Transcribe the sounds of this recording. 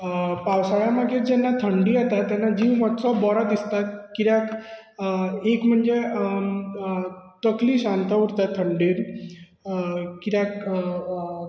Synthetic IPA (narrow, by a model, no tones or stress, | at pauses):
pawsajamaɡiɾd͡ʑɛnːat̪ʰəɳɖiat̪at̪ːɛnːad͡ʑiʋmɔt̪t͡sɔbɔɾat̪ist̪at̪̚kiɾjak | ekm̤əɳd͡ze | t̪əkliːɕant̪auɾt̪at̪ʰəɳɖiːɾ | kiɾak